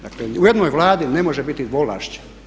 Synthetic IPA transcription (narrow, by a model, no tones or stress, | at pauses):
d̪akleujed̪nojʋlaːd̪ine̞mo̞ʒebit̪id̪ʋola̰ʃt͡ɕe̥